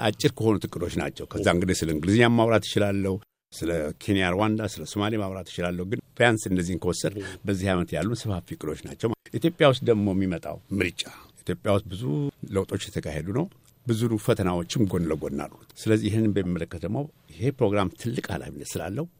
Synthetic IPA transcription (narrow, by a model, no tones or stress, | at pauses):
ʔat͡ʃʼːɪɾkʰəho̞nut̪ʰɨkʼɨd̪o̞t͡ʃːna̰t͡ʃːɛwkʰəzːaɨŋɡɨd̪esɨləɨŋɡɨlizɨɲamːaβɾat̪jɪt͡ʃɪlalːəhu | sɨləkʰenijaɾwand̪asɨləsomalimaβɾat̪ɪ̥t͡ʃɪlalːəhuɡɨnfjansɨndəzːihɨnkʰəwosːəd̪bəzːihajmət̪jalːunsɨfhafikʼɨd̪o̞t͡ʃːna̰t͡ʃːɛwʔit̪jo̞pʼjawʊs̬t̪̚d̪əɡmo̞mːimət̪ʼa̰wmɨɾɨt͡ʃʼːaʔit̪jo̞pʼjawʊst̪̚bɨzuləwt̪ʼo̞t͡ʃːjɛt̪ʰəkʰahed̪unəw | bɨzuɾufət̪ʰənawot͡ʃːɪmɡo̞nləɡo̞̰nːa̰lːusɨləzːijɪhɨnːɨnbəmːimːələkːət̪əmːa | ɪhe̞pɾo̞ɡɾamt̪ʰɨlːɨkʼa̰la̰finːət̪sɨla̰lːəhu